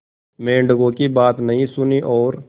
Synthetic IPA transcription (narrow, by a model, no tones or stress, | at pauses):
mẽːɳɖɡõkibaːt̪nɐɦĩsʊniʔɔːɾ